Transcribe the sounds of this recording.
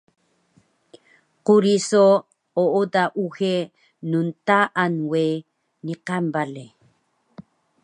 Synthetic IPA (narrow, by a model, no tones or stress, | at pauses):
quɾiso | oʔodaʔuxe | nuntaʔanwe | niqambale